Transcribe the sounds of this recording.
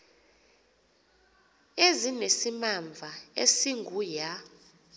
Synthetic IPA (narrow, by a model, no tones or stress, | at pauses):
ezinesimaɱvʱaesiŋɡʱuja